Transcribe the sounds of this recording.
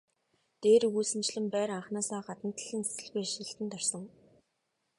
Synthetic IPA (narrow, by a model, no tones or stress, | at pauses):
t̪eːɾuɣuːsɘ̆nt͡ɕɮɘ̆mpæːɾaχnaːsaːɢat̪ə̆nt̪ə̆ɮɘ̆nse̥sɘ̆ɮɣujʃiɬt̪ɘ̆nt̪ar̥sɞ̆ŋ